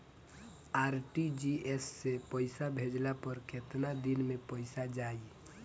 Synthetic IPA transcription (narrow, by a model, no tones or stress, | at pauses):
aɾʈid͡ʒiesːepəɪsabʱed͡ʒlapəɾket̪nad̪inmepəɪsad͡ʒaːi